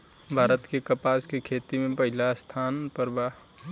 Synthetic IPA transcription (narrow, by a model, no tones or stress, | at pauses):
bʱaːɾət̪kekəpaːskekʰeːt̪imẽpəɦɪlast̪ʰaːnpəɾbaː